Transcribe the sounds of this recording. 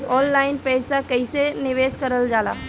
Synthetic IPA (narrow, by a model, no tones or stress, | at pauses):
ɔːnlaːɪnpɛjsakɐisenɪʋeːskɐɾəld͡ʒaːla̰ː